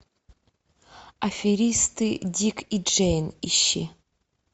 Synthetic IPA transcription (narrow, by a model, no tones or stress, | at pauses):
afʲiɾʲistʰɨdʲikʰid͡ʒejniʃi